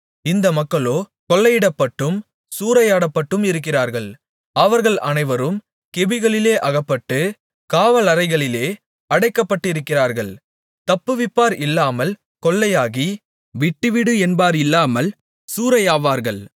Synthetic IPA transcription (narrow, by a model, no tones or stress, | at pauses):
ɪnd̪ɐmɐkːɐɭoː | kɔlːɐjɪɽɐpːɐʈːɯm | suːɾɐjaːɽɐpːɐʈːɯmɪɾɯk̬ːɪraːɾɣɐɭ | ɐʋɐɾɣɐɭʔɐnɐɪʋɐɾɯm | kɪbɪɣɐɭɪleːʔɐɣɐpːɐʈːɯ | kaːʋɐlɐɾɐɪɣɐɭɪleː | ɐɽɐɪkːɐpːɐʈːɪɾɯkːɪraːɾɣɐɭ | t̪ɐpːɯʋɪpːaːɾʔɪlːaːmɐl | kɔɭːɐjaːɣi | ʋɪʈːɯʋɪɽɯɛnbaːɾɪlːaːmɐl | suːɾɐjaːʋaːɾɣɐɭ